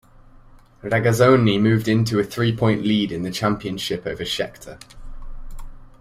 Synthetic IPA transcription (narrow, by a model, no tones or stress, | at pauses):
ɹaɡəzə̃ʊ̃nimʉːvdɪ̃ntʰuəθɹiːpʰɔ̃ɪ̃nʔliːdɪ̃nðət͡ʃʰãmpiə̃nʃɪpəʊvəʃɛ̰k̚tʰə